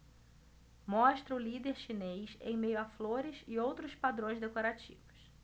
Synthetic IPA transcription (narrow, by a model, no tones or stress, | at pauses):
mɔʃt̪ɾɐʊlid̪eɾʃinejsḛ̃j̃mejʊafloɾɪsɪowt̪ɾʊspad̪ɾõj̃zd̪ekoɾat͡ʃḭvʊs